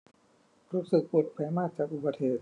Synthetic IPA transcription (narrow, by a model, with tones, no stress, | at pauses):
ɾuː˦˥sɯ˨˩k̚po˨˩t̪̚pʰɛː˩˦maː˥˩k̪̚t͡ɕaː˨˩k̚ʔu˨˩ba˧t̪̚heː˨˩t̪̚